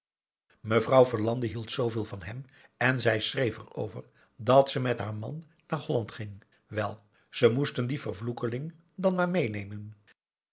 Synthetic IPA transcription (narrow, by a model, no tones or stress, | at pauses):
məvrɑwvəɹlɑndəɦilˠtsowvɪːlˠvɑnɦɛm | ɛnzɛjsrejfə̰ro̰wvəɹ | dɑtsəmɛtɦaːɹmɑ̰nː | aːɹɦɔlɑntχɪŋ | ʋɛlˠ | z̥əmustəndivərvlukəlɪŋ | dɑnmaːɹmejnejmən